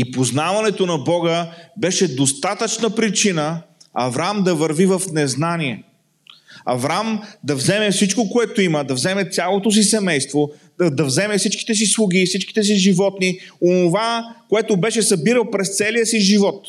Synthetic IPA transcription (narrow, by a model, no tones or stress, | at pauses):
ipoznavɐnɛt̪onɐbɔɡəbɛʃɛd̪ost̪at̪ət͡ʃnəpɾit͡ʃinəɐvɾamd̪ɐvəɾvivəfnɛznaniɛ | ɐ̰vɾamd̪ɐvzɛmɛfsit͡ʃkokoɛt̪oiməd̪ɐvzɛmɛt̪sʲalˠot̪os̬isɛmɛjst̪vo | d̪ɐvzɛmɛfsit͡ʃki̥t̪ɛs̬islˠuɡ̟ifsit͡ʃki̥t̪ɛs̬iʒivɔt̪nionovakoɛt̪obɛʃɛsɐbiɾəlˠpɾɛst̪sɛlijəsiʒivɔt̪